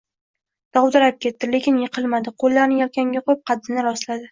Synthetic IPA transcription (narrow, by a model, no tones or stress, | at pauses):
d̪̥ɒwd̪ɪɾap̚kʲʰe̞t̪ːɪle̞kʲɪnjɨqʰɨlˠmad̪ɪqʰolˠːaɾnɪjalkʲaŋɡʲaqʰojɪp̚qʰɑd̪ɪnɪɾɒslad̪ɪ